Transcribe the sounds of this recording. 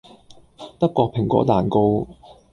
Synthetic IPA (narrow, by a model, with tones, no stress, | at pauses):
t̪ɐ˥kːʷɔː˧k̚pʰɪ˨˩ŋkɔ̰ː˨˥t̪aː˨˩nko˧w